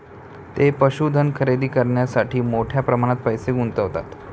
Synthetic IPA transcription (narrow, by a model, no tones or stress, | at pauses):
t̪epəɕuːd̪ʱənkʰəɾed̪iːkəɾɳjasaʈʰiːmoʈʰjapɾəmaɽ̃at̪̚pəjseɡunt̪əɦot̪a̰t̪